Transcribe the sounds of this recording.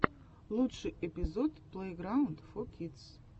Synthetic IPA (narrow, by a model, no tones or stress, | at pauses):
luʈ͡ʂʰɨʔepʼizodpʰlejɡrawndfokʰitt͡sʰ